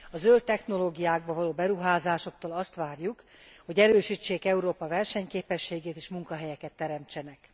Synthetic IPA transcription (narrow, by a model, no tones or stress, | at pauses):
ɒzølt̪ɛxno̞loːɡijaːɡ̚bɒvɒloːbɛɾuɦaːzaːʃo̞k̚t̪oːlɒst̪ʋaːrjuk | ho̞ɟɛɾøːʃiːt͡ʃːeːkɛuɾoːpɒvɛrʃɛɲkeːpɛʃːeːɡeːt̪eːʃmuŋkɒɦɛjɛkɛt̪ːɛɾɛmt͡ʃɛnɛk